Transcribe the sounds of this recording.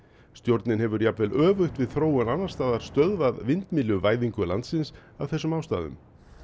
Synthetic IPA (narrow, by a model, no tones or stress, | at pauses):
st̪jowɾt̪nɪnhɛvʏɾjap̪vɛlʔœːvʏxt̪vɪðθɾoːwɛnanːaɾ̥st̪aːðaɾ̥st̪œðvaðvɪnt̪miːlʏvaːjðiŋkʏla̰nt̪sɪnsawθɛsːʏmawst̪a̰ːðʏ̰m